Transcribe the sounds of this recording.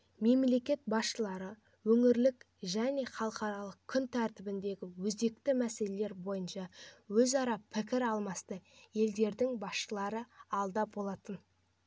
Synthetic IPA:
me̞mle̞kʲe̞t̪̚bɑsʃəlˠɑɾə | wɵŋɪɾlɪk | ʒæne̞χɑlˠəqɑɾɑlˠəq̚kʲʰːʏnt̪ʰæɾt̪ɪbɪnd̪e̞ɡʲɪwɵzd̪e̞k̚t̪ɪmæse̞le̞le̞ɾbo̞jənʃɑwɵzɑɾɑpʰɪk̬ʲɪɾɑlˠmɑst̪əje̞ld̪e̞ɾd̪ɪŋbɑsʃəlˠɑɾəɑlˠd̪ɑbo̞lˠɑt̪ən

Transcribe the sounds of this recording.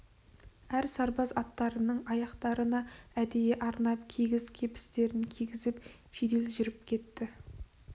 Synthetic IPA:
æɾsɑɾbɑzɑt̪ːɑɾənəɴɑjɑqt̪ɑɾənɑæd̪ejeʔɑɾnɑp̚kʲʰiɡʲɪzkʲʰe̞pɪ̥st̪e̞ɾɪnkʲʰiɡʲɪzɪp | ʒ̥ed̪elʒʏɾɪp̚kʲʰe̞t̪ːɪ

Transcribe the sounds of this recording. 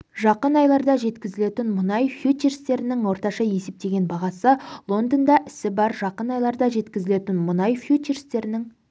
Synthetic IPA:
ʒɑqənɑjlˠɑɾd̪ɑʒe̞t̪kʲɪzɪle̞t̪ɪnmʊnɑjfjut͡ʃeɾst̪e̞ɾɪnɪŋwo̞ɾt̪ɑʃɑje̞se̞p̚t̪e̞ɡʲe̞nbɑʁɑsəlˠo̞nd̪ənd̪ɑʔɪsɪbɑɾʒɑqənɑjlˠɑɾd̪ɑʒe̞t̪kʲɪzɪle̞t̪ɪnmʊnɑjfjut͡ʃeɾst̪e̞ɾɪnɪŋ

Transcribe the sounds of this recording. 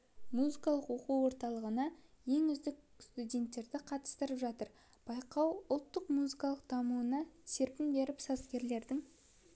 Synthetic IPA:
muzikɑlˠəqwo̞quwwo̞ɾt̪ɑlˠəʁənɑje̞ŋʏzd̪ɪk̚ | st̪udʲe̞nt̪ːe̞ɾd̪ɪqʰɑt̪ə̥st̪əɾəpʒɑt̪əɾ | b̥ɑjqɑwʊlˠt̪ːəqmuzikɑlˠəq̚d̪̥ɑmuənɑse̞ɾpɪnbe̞ɾɪpsɑzkʲe̞ɾle̞ɾd̪ɪŋ

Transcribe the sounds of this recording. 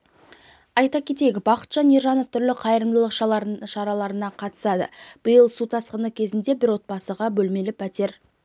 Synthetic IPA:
ɑjt̪ɑkʲʰe̞t̪e̞ɡʲɪbɑqə̥t̪ʒɑniʒɑno̞ft̪ʰʏɾlɪqʰɑjəɾəmd̪əlˠəqʃɑɑʃɑɾɑlˠɑɾənɑqʰɑt̪ə̥sɑd̪ə̰b̥əjəlˠsut̪ʰɑsqənəkʲʰe̞zɪnd̪e̞bɪɾwo̞t̪̚bɑsəʁɑbɵlme̞lɪpʰæt̪e̞ɾ

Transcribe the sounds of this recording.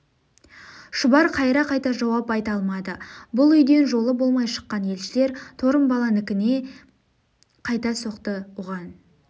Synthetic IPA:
ʃʊbɑɾqʰɑjɾɑqʰɑjt̪ɑʒɑwɑpɑjt̪ɑlˠmɑd̪əbʊlˠʏjd̪e̞nʒo̞lˠəbo̞lˠmɑjʃə̥qːɑnje̞lʃɪle̞ɾt̪ʰo̞ɾəmbɑlˠɑnʏkʲɪne̞ | qʰɑjt̪ɑso̞qt̪əʊʁɑn

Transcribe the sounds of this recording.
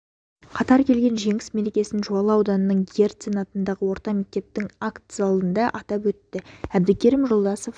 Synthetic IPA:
qʰɑt̪ɑɾkʲʰe̞lɡʲe̞nʒe̞ŋɪsme̞ɾekʲe̞sɪnʒuɑlˠəɑwd̪ɑnənəɴɡʲieɾt̪senɑt̪ənd̪ɑʁəwo̞ɾt̪ɑme̞k̚t̪e̞p̚t̪ɪŋakt̪sɑlˠd̪ənd̪ɑʔɑt̪ɑpwɵt̪ːɪæb̚d̪ɪkʲʰeɾɪmʒo̞lˠd̪ɑsof

